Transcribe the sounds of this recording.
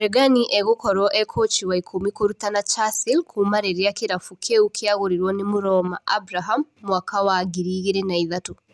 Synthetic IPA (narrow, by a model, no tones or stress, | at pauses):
ɾeɡaniʔeɣokɔɾɔʔɛkʰoːt͡ʃiwaikʰomikoɾutanat͡ʃasilkʰumaɾeɾjakiɾafukʰeukʰjaɣoɾiɾwɔnimuɾɔmaabɾaɦamːwakawaɡiɾiɣiɾenaiðatu